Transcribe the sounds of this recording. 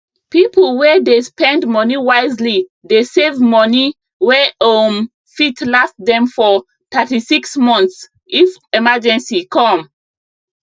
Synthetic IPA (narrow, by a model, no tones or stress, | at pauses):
piplwɛdespɛ̃ndmɔniwaɪzlidesevmɔni | wɛom | fitlafdɛ̃mfɔ | tatisiksmɔ̃ns | ifɛmad͡ʒɛ̃nsikʰɔ̃m